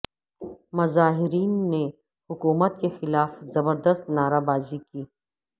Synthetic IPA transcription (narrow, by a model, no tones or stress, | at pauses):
mɐzaːɦɪɾiːnːe | hʊkuːmət̪kexɪlaːfzɐbəɾd̪əst̪naːɾabaːzikiː